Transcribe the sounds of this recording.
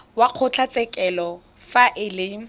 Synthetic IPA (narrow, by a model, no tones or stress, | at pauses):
waq͡χʰʊt͡ɬʰat͡sʼɛkʼɛlɔ | faʔɪlɪ